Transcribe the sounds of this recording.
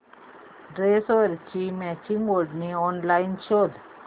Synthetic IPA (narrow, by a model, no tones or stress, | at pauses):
ɖɾesoɾt͡ʃimɛt͡ʃiŋɡolɖniɔnlainʃod̪